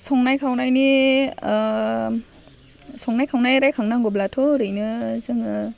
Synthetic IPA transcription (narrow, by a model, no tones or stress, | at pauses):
sɔŋnajkʰawnajni | sɔŋnajkʰawnajɾajkʰaŋnaŋɡɔblatʰɔɾɯjnɯzɯŋɯ